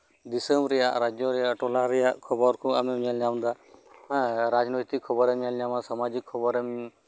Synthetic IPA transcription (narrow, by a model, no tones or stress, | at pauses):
d̪isəmɾɛjaʔɾad͡ʒjɔɾɛjaʔʈɔlaɾɛjaʔkʰɔbɔɾkʰɔ̃amɛmɲalɲawnd̪a | ɾad͡ʒnojt̪ikʰːɔbɔɾɛmɲalɲamasamad͡ʒikʰːɔbɔɾɛm